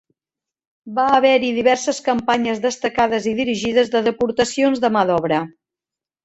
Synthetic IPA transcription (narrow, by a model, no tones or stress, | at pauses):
baːβɛɾiðiβɛɾsəskəmpaɲəzðəst̪əkaðəziðiɾiʒiðəzðəðəpuɾt̪əsionzðəməðɔβ̞ɾə